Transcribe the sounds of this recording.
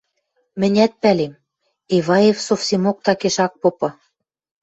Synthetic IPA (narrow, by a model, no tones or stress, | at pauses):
mɘ̆nʲæt̪̚pælem | eβɑjefsofsemok̚t̪ɑkeʃɑk̚popɤ̆